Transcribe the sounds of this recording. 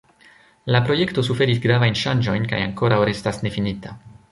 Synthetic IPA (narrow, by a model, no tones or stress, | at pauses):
lapɾo̞je̞kto̞sufe̞ɾisɡɾavajnʃand͡ʒo̞jnka̰ja̰ŋko̞ɾawɾe̞stasne̞finita